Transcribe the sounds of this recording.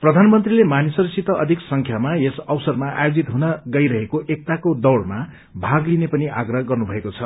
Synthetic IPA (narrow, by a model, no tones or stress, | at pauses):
prʌd̪ʱanmʌnt̪rilemanisʌrsit̪ʌʔʌd̪ʱiksʌŋkʰjamaesʌbsʌrmaʔa̰jod͡zit̪ɦunʌɡʌjɾʌɦekoʔek̚t̪akod̪ʌwɽma | bʱaɡlinepʌniʔaɡrʌɦɡʌrnubʱʌekot͡sʰʌ